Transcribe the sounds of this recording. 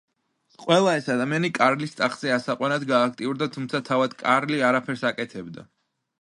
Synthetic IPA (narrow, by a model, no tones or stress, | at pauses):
qʼwɛlˠaɛsad̪amianikʼaɾlist̪sʼaχz̥ɛasaqʼwanad̪ɡaːk̚ʰt̪ʼiuɾd̪at̪ʰumt̪sʰat̪ʰavad̪kʼaɾliaɾapʰɛɾsakʼɛt̪ʰɛbd̪a̰